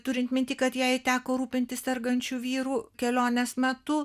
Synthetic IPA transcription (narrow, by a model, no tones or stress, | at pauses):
t̪ʊɾʲɪnt̪mʲɪnt̪ʲɪkɐt̪jɛɪt̪ʲæːkoːɾuːpʲɪnt̪ʲɪssʲɛrɡɐnʲt͡ʃʲuːʋʲiːɾuːkʲɛlʲoːnʲesmʲɛt̪ʊ